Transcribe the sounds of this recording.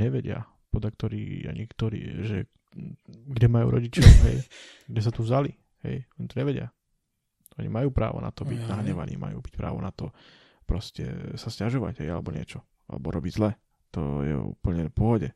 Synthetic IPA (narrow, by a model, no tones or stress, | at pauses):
ɲɛʋɛɟɪa̰ | pɔd̪lak̚t̪ɔɾḭːa̰ɲikt̪ɔɾḭːʒɛ | ɡɟɛmajṵːɾʔɔɟit͡ʃɔʊɦɛjɡɟɛs̬at̪uvzali | hɛ̰jɔɲit̪ɔɲɛʋɛɟɪa | ʔɔɲḭmajuːpɾa̰ːʋɔ̰na̰t̪ɔbiɟnaɦɲɛʋa̰nḭːma̰juːbic̚pɾa̰ːʋɔnat̪ɔ | pɾɔscɛ̰sascaʒɔʋa̰ɟɦɛjalɛbɔɲɪɛt͡ʃɔ | a̰lɛbɔɾɔbiɟzlɛ | t̪ɔ̰jɛ̰ṵːpl̩ɲɛpʊɔɦɔɟɛ